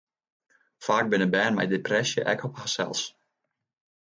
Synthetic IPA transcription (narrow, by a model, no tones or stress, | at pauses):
faːk̚bɪnəbɛːnmɛ̰jdeprɛsjə̰ʔɛ̰kɔphaːsɛ̰lˠs